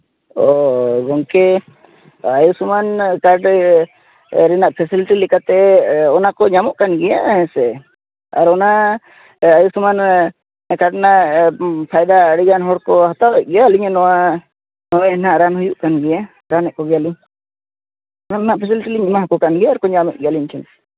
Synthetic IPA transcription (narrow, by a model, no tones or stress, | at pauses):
ɔɡɔŋkɛ | ajusumankaɾɖ | ɾɛnaʔpʰɛsiliʈilikat̪ɛɔnakɔɲamɔʔkanɡɛjahɛ̃sɛ | aɾɔna | ajusuman | kaɾɖnaʔpʰajd̪aɽiɡanɦɔɽkɔɦat̪aɛʔ̚ɡɛjaliɲɛnɔwa | nɔwɛnaʔɾanhujuʔkanɡɛja | ɾanɛʔkɔɡɛjaliɲ | ɔnanaʔpʰɛsilʈiliɲmaɦakɔkanɡɛjaɾkɔɲamɛʔ̚ɡɛjaliɲkʰɛn